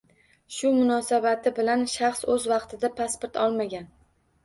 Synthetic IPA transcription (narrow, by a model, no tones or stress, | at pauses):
ʃʊmʊnɒːsabat̪ʰɪbɪlanʃaχsɵzvɑqt̪ʰɪd̪apʰaspoɾt̪ʰɒlˠmaɡʲan